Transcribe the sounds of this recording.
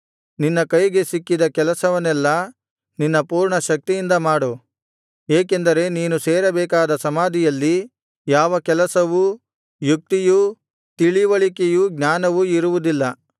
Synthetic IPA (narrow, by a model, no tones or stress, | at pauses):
ninːɐkɐjɡe̞sikːid̪ɐkɛlɐsɐʋɐnɛlːɐ | ninːɐpuːɾɳɐʃɐk̚t̪ijind̪ɐmaːɽu | eːkend̪ɐɾe̞niːnuseːɾɐbɛːkaːd̪ɐsɐmaːd̪ʱijɐlːi | jaːʋɐkɛlɐsɐʋu | juk̚t̪iju | t̪iɭiʋɐɭikejuɡnaːnɐʋuiɾuʋud̪ilːɐ